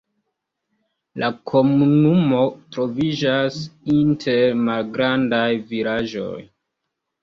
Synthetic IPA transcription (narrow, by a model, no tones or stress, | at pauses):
lʔakʰo̞munumo̞tɾo̞vid͡ʒasintʰeɾmalɡɾandajviɾaʒo̞̰j